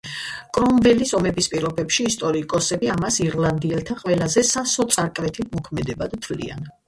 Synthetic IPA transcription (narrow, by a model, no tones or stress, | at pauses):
kʼɾɔmvɛlisɔmɛbispʼiɾɔbɛpʃiːst̪ʼɔɾikʼɔsɛbiamasiɾlˠand̪iɛlˠt̪ʰaqʼwɛlazɛsasɔt̪sʼaɾkʼɾɛt̪ʰit̪ʰmɔkʰmɛd̪ɛbad̪t̪ʰvlḭa̰n